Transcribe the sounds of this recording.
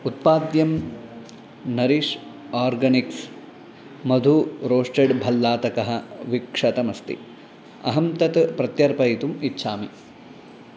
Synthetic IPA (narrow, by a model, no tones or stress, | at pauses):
ut̪̚paːd̪jɐm | nɐɾiːʂ | aːɾɡɐniks | mɐd̪ʱuɾoːʂʈeɖbʱɐlːaːt̪ɐkɐɦɐʋikʂɐt̪ɐmɐst̪ḭ | ɐ̰ɦɐmt̪ɐt̪pɾɐt̪jɐɾpɐjt̪umitːʃʰaːmi